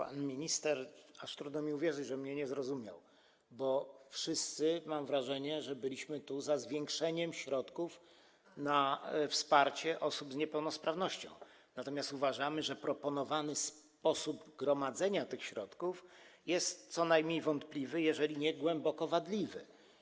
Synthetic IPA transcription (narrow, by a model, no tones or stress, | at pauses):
pa̰nmʲiɲist̪ɛɾaʂt̪ɾud̪nɔmʲiuvʲjɛʐɘd͡ʑʐɛmɲɛɲɛzɾɔzumʲja̰w | bɔfʂɘst̪sɘmamvɾaʐɛɲɛʐɛbɘlʲiɕmɘt̪uzazvʲjɛŋkʂɛɲɛmɕɾɔt̪kuf | nafspaɾt͡ɕɛʔɔsubzɲɛpɛwnɔspɾavnɔɕt͡ɕɔ̰̃w̃ | nat̪ɔmʲjast̪uvaʐamɘʐɛpɾɔpɔnɔvanɘs | pɔsubɡɾɔmad̪zɛɲat̪ɘxɕɾɔt̪kufjɛst̪sɔnajmɲejvɔnt̪plʲivɘjɛʐɛlʲiɲɛɡwɛmbɔkɔvad̪lʲivɘ̰